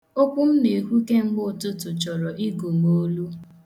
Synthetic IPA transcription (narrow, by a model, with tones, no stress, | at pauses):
o˦kʷʊ˦m̩˦me˨ɦu˦ke˦ŋ͡m̩˦ɡ͡bʊ˦˨tʊ˦tʊ˨t͡ʃɔ˨ɾɔ˨ʔi˦ɡo˨mo˦lu˦